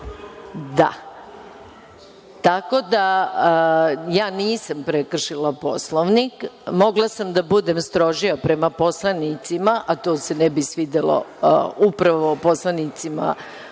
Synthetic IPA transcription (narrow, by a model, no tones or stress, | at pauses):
d̪a̰ | t̪ako̞d̪a | jaːniːsampɾekr̩ʃilapo̞sloʋnikmo̞ɡlˠasamd̪abud̪e̞mst̪ɾo̞ʒiapɾe̞mapo̞slˠanit̪simaʔat̪oːse̞nɛbisʋid̪elo̰upɾaʋoposlˠanit̪sima̰